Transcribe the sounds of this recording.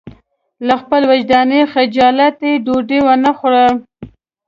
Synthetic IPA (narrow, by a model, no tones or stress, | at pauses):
laxpəlwad͡ʒd̪ɑnexad͡ʒɑlat̪eɖoɖewanaxoɽəl